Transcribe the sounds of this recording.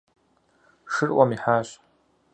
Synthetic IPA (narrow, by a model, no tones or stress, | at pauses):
ʂɨrʔʷamiħaːɕ